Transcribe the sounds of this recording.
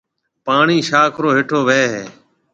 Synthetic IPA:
paːɳiːʃaːkʰɾoːɦɪʈʰoːʋeːɦeː

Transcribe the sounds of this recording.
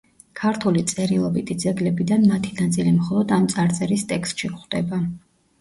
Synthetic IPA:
kʰaɾt̪ʰulit̪sʼɛɾilˠɔbit̪ʰid̪zɛɡlɛbid̪anmat̪ʰinat̪sʼilimχɔlˠɔd̪amt̪sʼaɾt̪sʼɛɾist̪ʼɛkst̪ʃiχd̪ɛba

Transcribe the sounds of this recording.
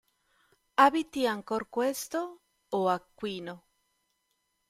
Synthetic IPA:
abit̪iaŋkorkwest̪o | oakːwiːno

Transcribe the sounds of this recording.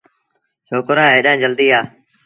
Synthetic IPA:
t͡ʃʰoːkɾaːɦeːɗãːd͡ʒəld̪iːaː

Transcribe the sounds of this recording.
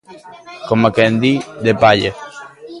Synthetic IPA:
komakend̪id̪epaʎe

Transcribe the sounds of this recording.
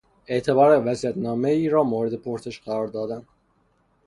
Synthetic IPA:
e̞ʔt̪ʰe̞bɒːɾævæzijæt̪nɒːmeiːɾɒːmoːɾed̪e̞pʰoɾse̞ʃɢæɾɒːɾd̪ɒːd̪æn

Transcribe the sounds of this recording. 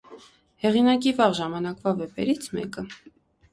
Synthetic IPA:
hɛʁinɑkivɑʁʒɑmɑnɑkvɑvɛpɛɾit͡sʰmɛ̰kə

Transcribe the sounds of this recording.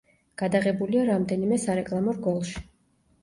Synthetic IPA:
ɡ̥ad̪aʁɛbuliaɾamd̪ɛnimɛsaɾɛkʼlˠamɔɾɡɔlˠʃi̥

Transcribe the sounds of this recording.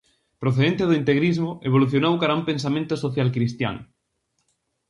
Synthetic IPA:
pɾoθeðent̪eðoint̪eɣɾizmoʔeβ̞oluθjonowkaɾaumpensamẽnt̪osoθjalkɾist̪ja̰ŋ

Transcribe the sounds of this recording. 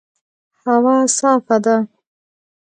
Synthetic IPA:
hawɑːsɑːfad̪a

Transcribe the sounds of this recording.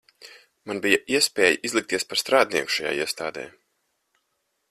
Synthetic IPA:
manbijaʔiɛspʲɛːjiʔizlˠik̚t̪iɛspaɾst̪ɾaːd̪ʲniɛku̥ʃaja̰ːḭɛst̪a̰ːd̪ɛ̰ː

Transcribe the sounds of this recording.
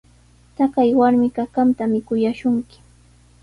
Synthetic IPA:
t̪akajwaɾmɪkakant̪amɪkʊjaʃʊŋkɪ̥

